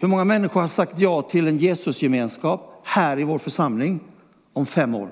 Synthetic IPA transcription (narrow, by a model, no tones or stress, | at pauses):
hɵmɔŋːamɛnːɪɧʊɾhaʂakt̪jɑːt̪ʰɪlɛnjeːsɵsjɛmeːnskɑːphæːɾɪvoːɾfœʂamlɪŋ | ɔmfɛmːo̰ːɾ